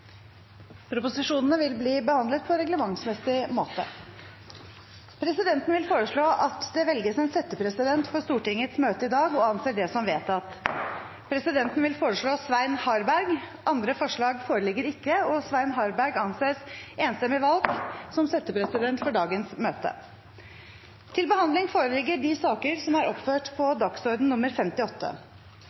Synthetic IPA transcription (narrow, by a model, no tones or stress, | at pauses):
pʰɾʊpʊsɪʂuːnənəʋɪlbliːbəhɑnd̪lət̪̚pʰɔɾɛɡləmɑŋsmɛsɪmoːt̪ə̰ | pʰɾɛsɪd̪ɛnt̪nʋɪlfoːɾəʂɭoːʔɑt̪d̪ɛʋɛlɡəsɛnsɛt̪ːəpʰɾɛsɪd̪ɛnt̪fɔʂt̪uːʈɪŋːət̪smøːt̪əɪd̪ɑːɡɔɑnseːɖɛsɔmʋeːt̪ɑt̪ | pʰɾɛsɪd̪ɛnt̪n̩ʋɪlfoːɾəʂɭoːsʋæɪnhɑɾbæɾɡʔɑnd̪ɾəfɔʂɭɑːɡfoːɾəlɪɡːəɾɪkːəɔsʋæɪnɦɑɾbæɾɡɑnseːseːnst̪ɛmɪʋɑlɡsɔmsɛt̪ːəpʰɾɛsɪd̪ɛnt̪fɔɖɑːɡənsmøːt̪ə̰ | t̪ʰɪlbəhɑnd̪lɪŋfoːɾəlɪɡːəɖɪsɑːkəɾsɔmæɾɔpføːʈpʰɔd̪ɑksɔɾd̪n̩nʊmːəɾfɛmt̪ɪɔt̪ʰːə̰